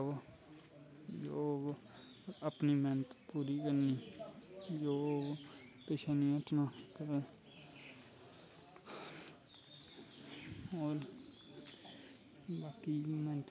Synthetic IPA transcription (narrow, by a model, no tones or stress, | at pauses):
d͡ʒoː | əpniːmɛːnət̪puːɾiːkəɾniː | d͡ʒoː | peːʃaːnĩːəʈnaːkəɾeː | oːɾ | baːkiːmɛːnət̪